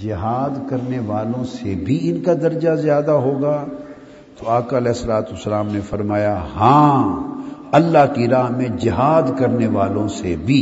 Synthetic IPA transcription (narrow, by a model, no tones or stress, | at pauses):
d͡ʒɪɦaːd̪kɐɾneʋaːlõsebʱiɪnkad̪ɐɾd͡ʒazjaːd̪aɦoːɡaː | t̪oaːkaɐlɛːɦɪsːəlaːt̪uəsːəlaːmnefɐɾmaːjaɦãː | ɐlːaɦkiɾaːɦmẽd͡ʒɪɦaːd̪kɐɾneʋaːlõsebʱiː